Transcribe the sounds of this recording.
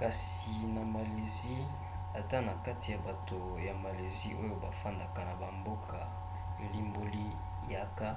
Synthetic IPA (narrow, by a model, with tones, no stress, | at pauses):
ka˨s | i˨na˨ma˨le˨zi˦ | a˨ta˦na˨ka˦ti˨ja˨ba˨to˨ | ja˨ma˨le˨zi˦ʔo˦jo˦ba˨fa˦nda˨ka˨na˨ba˨mbo˦ka˨ | li˦mbo˦li˦ | ja˦ka˦